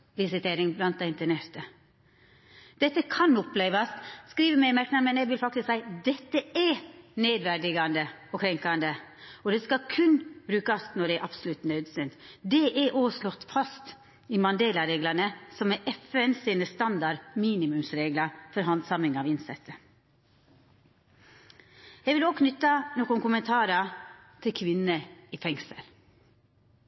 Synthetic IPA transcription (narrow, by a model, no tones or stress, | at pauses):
ʋɪsɪt̪ʰeːɾɪŋblɑnt̪̚d̪æɪɪnt̪əɳeːɾt̪ə | d̪̥ɛt̪ːəkʰɑnʊpleɪʋɑsskɾiːʋəmɛɪmæɾknɑnmɛnɛɡʋɪlfɑk̚t̪ɪsksæɪd̪ɛt̪ːəɛneːd̪ʋæɖɪɡɑnd̪əɔkʰɾɛŋkɑnd̪əɔd̪ɛskɑkʰʉnbɾʉːkɑsnɔɖɛɛɾʔɑpsʊlʉt̪nœːd̪sœnt̪d̪ɛʔɛɾʔoːslɔt̪ːfɑst̪ | iːmɑnd̪eːlɑɾeːɡlənəsɔmɛʔɛfɛnsiːnəst̪ɑnd̪ɑɾmiːnɪmʉmsɾeːɡlɑfɔɾɦɑnd̪sɑmɪŋɑʋɪnsɛt̪ːə | jɛʋɪlokʰnʏt̪ːɑnɔkʊnkʊmənt̪ʰɑːɾət̪ʰɪlkʰʋɪnəifɛŋsə̰l